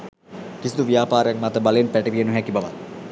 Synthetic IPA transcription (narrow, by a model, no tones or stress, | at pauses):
kisid̪uʋijaːpaːɾəjak̚mat̪əbaləenpæʈəʋiənuɦækibaʋa̰t̪